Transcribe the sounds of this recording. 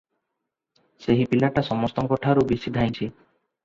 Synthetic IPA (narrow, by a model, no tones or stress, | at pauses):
seɦipilaʈasɔmɔst̪ɔŋkɔʈʰaɾubisid̪ʱaj̃t͡ʃʰi